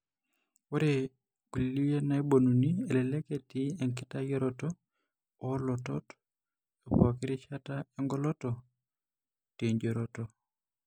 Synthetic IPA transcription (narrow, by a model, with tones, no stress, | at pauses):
wɔ˦ɾe˨ | ki˨lli˦e˦na˨e˦bo˨nu˨ni˦e˨lɛ˨lɛ˦ke˨ti˦e˨ŋkɪ˦ta˦jɔ˦ɾɔtɔ | ɔ˦lɔ˨tɔ̰˦t | e˨pw̰a˨kɪ˦ɾi˦t͡ʃa˦tae˦ŋɡɔ˦lɔ˦tɔ˨ | te˨ɲd͡ʒɔ˨ɾɔtɔ˨